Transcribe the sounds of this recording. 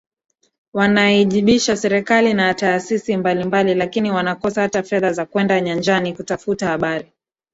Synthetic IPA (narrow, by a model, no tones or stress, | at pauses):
wanaiʄiɓiʃasɛɾɛkalinataːsisimbalimbalilakiniwanakɔsahatafɛðazakwɛndaɲand͡ʒanikutafutahaɓaɾi